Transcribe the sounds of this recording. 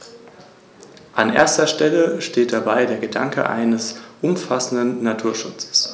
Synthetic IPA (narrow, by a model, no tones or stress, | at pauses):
ʔanʔḛːɐstɐʃtɛləʃteːt̚d̥abaɪdeːɐɡəda̰ŋkʰə̰ʔa̰ɪnəsʔʊmfasn̩dənːatʰuːɐʃʊt͡sə̥s